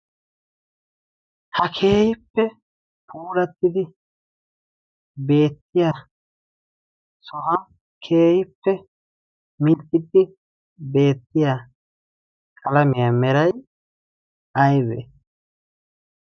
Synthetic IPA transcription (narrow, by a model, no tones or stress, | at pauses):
hɐkʰeːjɪpːɛ | pʰuːlɐt̪ːɪd̪ɪ | be̞ːt̪ːɪjaː | sɔɦɐ | kʰe̞ːjɪpːɛ | mɪnt̪ʼːɪd̪ːɪ | be̞ːt̪ːɪja | kʼɐlɐmɪjamɛɾɐj | ɐjβɛ